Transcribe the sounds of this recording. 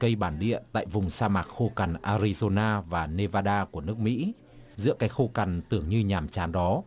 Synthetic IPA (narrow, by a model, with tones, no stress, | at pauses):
kə˧jɓaː˧˩nɗḭ˧˨ət̪a̰ː˧˨jvʊ˨˩ŋ͡msaː˧maː˨˩t̚xo˧ka˨˩nʔaː˧ɾi˧zo˧naː˧vaː˨˩ne˧vaː˧ɗaː˧ku˧˩ənɨ˦˥ək̚mḭ˧˥ | zɨ̰˧˥əkaː˨˦jxo˧ka˨˩nt̪ɨ˧˩əŋɲɨ˧ɲaː˨˩mt͡ɕaː˨˦nɗɔ˨˦